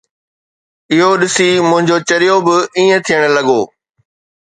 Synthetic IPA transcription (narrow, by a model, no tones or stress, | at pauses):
ɪɦoɗɪsimʊ̃ɦɪ̃ɲd͡ʑot͡ɕɐɾɪjobɪiːẽt̪ʰijəɽ̃lɐɠoː